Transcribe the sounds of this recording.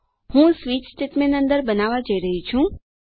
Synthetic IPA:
hũsʋit͡ʃsʈeʈmenənd̪əɾbənaʋad͡ʒəiɾəɦit͡ʃʰũ

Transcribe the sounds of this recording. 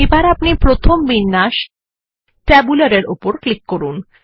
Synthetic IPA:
ebaɾapnipɾot̪ʰombinːaʃ | ʈɛbulaɾeɾupoɾklikːoɾun

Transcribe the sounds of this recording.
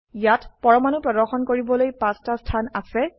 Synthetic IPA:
jatpɔɹɔmanupɹɔdɔɹxɔnkoɹibɔlojpastastʰanasɛ

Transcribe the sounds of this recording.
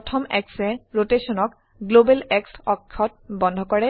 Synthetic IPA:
ɔtʰɔmɛ̰ksɛɹotesɔnɔk | ɡlobelɛksɔkʰːɔt̚bɔndʱɔkɔɹɛ

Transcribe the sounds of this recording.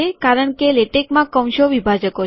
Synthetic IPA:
ekaɾəɳkeleʈekmãkə̃wʃoʋibʱad͡ʒəko

